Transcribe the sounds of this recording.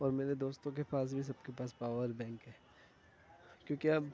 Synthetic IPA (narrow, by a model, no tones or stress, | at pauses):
ɔːɾmeːɾed̪oːst̪õk̬epaːs̬bʱis̬ɐb̚kepaːspaːʋəɾbɛ̃ːŋkɦɛː | kjõːkiaːb